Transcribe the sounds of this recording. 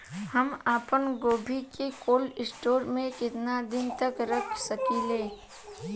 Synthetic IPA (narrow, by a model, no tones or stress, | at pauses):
hɐmaːpənɡoːbʱikekoːlɪsʈoːɾmẽkɪt̪nad̪ɪnt̪əkɾɐkʰsɐkileː